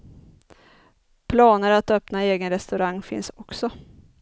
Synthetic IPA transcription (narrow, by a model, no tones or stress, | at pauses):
pʰlɑːnəɾat̪œpnaeːɡənɾɛst̪ɵɾaŋːfɪ̰nsɔksɔ